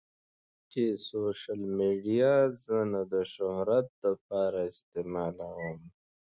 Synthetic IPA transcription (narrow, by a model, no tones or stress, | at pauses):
kesoːʃəlmiːɖijazənad̪əʃoɦɾɐt̪̚d̪əp̚aːɾaɪst̪eːmaːlawam